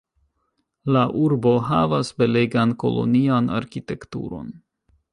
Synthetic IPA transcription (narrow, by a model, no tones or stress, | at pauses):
laʔuɾbo̞ɦavasbe̞leɡanko̞̰lo̞̰niana̰ɾkite̞ktṵɾo̞̰n